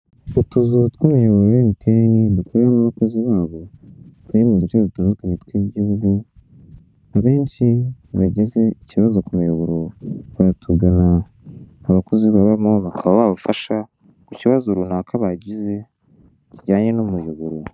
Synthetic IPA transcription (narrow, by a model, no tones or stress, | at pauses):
utuzutkimiaβuɾojemitʰeŋedukuɾanaβako̞ziβaːβo̞tʰaɾimudut͡ʃedutaːndukaɲetwiːɟihuɡu | aβe̞ːnʃiaɟeze̞iciβazo̞kumijaβuɾoβatʰuɡanaː | βako̞ziβaβaimoβakʰaβaβaβufaʃa | kuciβazoɾunakaβaɟize̞ | ciɟaːɲe̞nomujuβuɾu